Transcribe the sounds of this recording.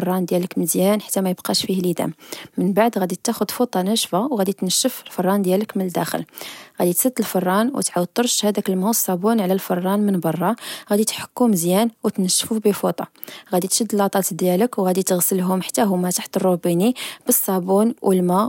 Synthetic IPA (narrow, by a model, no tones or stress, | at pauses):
rˤːɑnd̪jæləkməzjænħḁt̪ːæmæjəbqɑʃfihlid̪æ̰mːənbaʕd̪ɣæd̪it̪ːæxʊd̪fut̪ˤːɑnəʃfawɣæd̪it̪nəʃːəfəlfɑrˤːɑnd̪jæləkmənəld̪æxə̰lɣæd̪it̪sˤəd̪ːəlfɑrˤːɑnwə̰t̪ʕaw̚t̪ˤːəɾˤʃhæd̪ækəlmasˤːɑbunʕlælfɑrˤːɑnmənbɑrˤːɑɣæd̪it̪ħə̥kːuməzjænwət̪nəʃːfubəfut̪ˤɑ | ɣæd̪it̪ʃəd̪ːəlʔɑt̪ˤɑt̪d̪jæləkwɣæd̪it̪əɣsəlɦʊmħḁt̪ːæɦʊmæt̪aħt̪ərˤːubinib̥əsˤːɑbunwʔəlmæ